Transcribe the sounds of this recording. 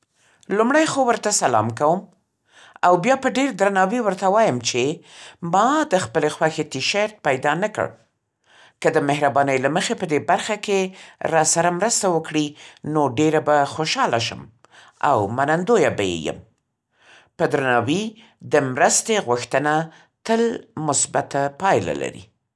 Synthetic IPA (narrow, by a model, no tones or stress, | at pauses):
lumɽajxowəɾt̪asalɑ̰mkawəm | awbjɑpəɖeɾd̪ɾanɑwiwəɾt̪awɑjəmt͡ʃemɑd̪əxpəlexwaxet̪iʃaɾt̪̚pajd̪ɑnakə̰ɽ | kəd̪əmɪɦɾabɑnəjlaməxepəd̪ebaɾxakeɾɑsaɾamɾəst̪awəkɽinoɖeɾabaxoʃɑlaʃə̰m | a̰wmanand̪ojabajḛjə̰m | pəd̪ɾanɑwi | d̪əmɾəst̪eɣwʊxt̪əna | t̪əlmʊsbat̪apɑjla̰la̰ɾḭ